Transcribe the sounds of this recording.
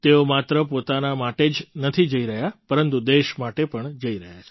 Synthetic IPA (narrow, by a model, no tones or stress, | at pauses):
t̪eomat̪ɾəpot̪anamaʈed͡ʒnət̪ʰid͡ʒəiɾəɦjapəɾənt̪ud̪eʃmaʈepəɳd͡ʒəiɾəɦjat͡ʃʰe